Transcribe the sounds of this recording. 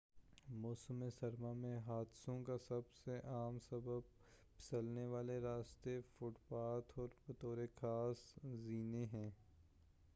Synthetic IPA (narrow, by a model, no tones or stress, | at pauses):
mɔːsmesɐɾmamẽɦaːd̪sõkasɐbseʔaːmsɐbəb̚ | pɪ̥səlneʋaːleɾaːst̪efʊʈpaːt̪ʰɔːɾbɐt̪oːɾekʰaːsziːneɦɛ̃ː